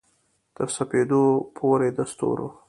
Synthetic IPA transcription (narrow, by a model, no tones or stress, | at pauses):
t̪əɾsaped̪opʰoɾed̪ast̪o̰ɾo̰